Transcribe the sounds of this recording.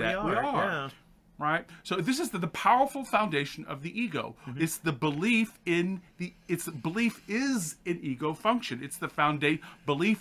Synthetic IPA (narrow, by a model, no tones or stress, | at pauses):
ɨwiə | ɹaɪt̚soʊðɪs̬ɨzðəpʰaʊə˞fl̩ˠfãʊ̃ndeɪʃɨ̃n̩ʌ̰vðiʔiɡoʊɨtsðɨbəlifɪ̃nðiɨtsbəlifɪzɨ̃niɡoʊfʌ̃ŋkʃɨ̃nɨtsðɨfãʊ̃ndeɪb̥əlif